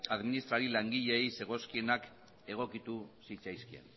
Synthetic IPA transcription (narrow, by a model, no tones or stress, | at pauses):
aðminist̪ɾaɾilaŋɡiʎe̞ːjse̞ɣ̞o̞skie̞nak | e̞ɣ̞o̞kit̪usit͡sajskiḛn